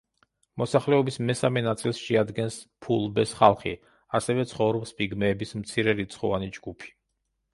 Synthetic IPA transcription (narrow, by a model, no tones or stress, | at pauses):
mɔsaχlɛɔbismɛsamɛnat̪sʼilˠsʃɛad̪ɡɛnspʰulˠbɛsχalˠχḭ | asɛvɛt̪sʰχɔvɾɔbspʼiɡmɛːbismt̪sʰiɾɛɾit̪sʰχɔvanid͡ʒɡupʰi̥